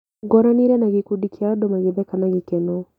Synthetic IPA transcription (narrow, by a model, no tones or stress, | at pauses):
ɡɔɾaniɾɛnaɣikudikjaɔdomaɣeðɛkanaɣikeno